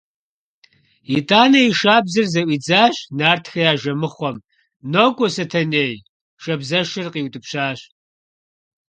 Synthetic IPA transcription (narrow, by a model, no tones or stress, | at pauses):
itʰʼaːnɐiʃaːbzɨrzɐʔʷiːd͡zaːɕnaːrtʰxɐjaːʒɐmɨχʷɔm | noːkʷʼɔsɐtʰɐneːj | ʃɐbzɐʃɨrqiːwtʼɨpɕaːɕ